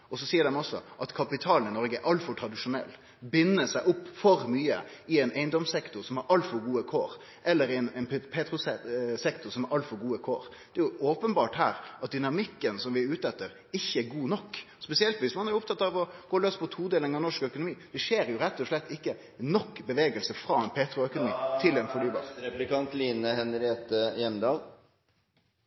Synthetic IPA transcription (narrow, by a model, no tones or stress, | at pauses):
ɔsɔsiːəɖɛnɔsːɔ̰ʔɑt̪kʰɑpɪt̪ʰɑːlnɪnɔɾɡəʔɑlt̪fɔɾʈʰɾɑd̪ɪʂʊnɛ̰lː | bɪnːəsæɪʔʊpːfɔɾmyːə̰ɪɛɪnʔæɪnd̪ɔmsɛkt̪ʊɾsɔmhɑɾɑlt̪fɔɾɡuːəkʰo̰ːɾ | ʔɛlːəɾɪɛnɛnpʰeːt̪ɾʊssɛkt̪ʊsɔmhɑɾʔɑlt̪fɔɾɡuːəkʰoːɾd̪̥ɛæɾjʊʔoːpənbɑːʈhæ̰ːɾɑt̪̚d̪ʏnɑmɪkːənsɔmʋɪʉːt̪əɛt̪ːəɾ | ɪçːəæɡuːnɔkː | spɛsɪɛlt̪ʋɪsmɑnæɾjʊʊpt̪ʰɑt̪ːɑʋɔɡ̥oːløːspʰɔt̪ʰuːd̪eːləŋɑnɔʂkœkʊnʊmiːd̪̥ɛʃeːɾjʊɾɛt̪ːɔʂlɛt̪ːɪkːə | nɔkːbəʋeːɡəlsəfɾɑːɛnpʰeːt̪ɾʊœkʊnʊmḭːt̪ʰɪlɛnfɔɳyːbɑ̰ːɾɾɛplɪkɑnt̪liːnəhɛnɾɪeːt̪əjɛnd̪ɑːl